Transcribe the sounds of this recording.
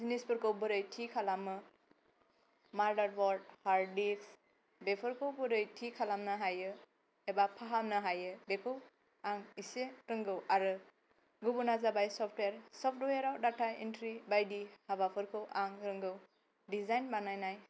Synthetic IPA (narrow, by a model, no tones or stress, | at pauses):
zinispʰɯɾkʰɯwbɯɾɯjtʰikʰalamɯ | maɾdaɾbɔɾd̚haɾdiks | bepʰɯɾkʰɯwbɯɾɯjtʰikʰalamnɯɦajɯ | hebapʰaɦamnɯɦajɯbekʰɯw | aŋiseɾɯŋɡɯwaɾɯ | ɡubunazabajsɔpʰtweɾsɔpʰtweɾawdatʰaintʰɾibajdihabapʰɯɾkʰɯwʔaŋɾɯŋɡɯw | dizajnbanajnaj